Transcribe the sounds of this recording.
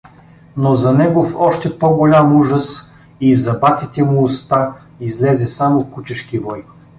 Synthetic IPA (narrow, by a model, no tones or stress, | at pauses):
nozɐnɛɡofɔʃt̪ɛpoɡolʲamuʒəs | izɐbat̪ʲit̪ɛmuːst̪a | izlɛzɛsamokut͡ʃɛʃkivɔj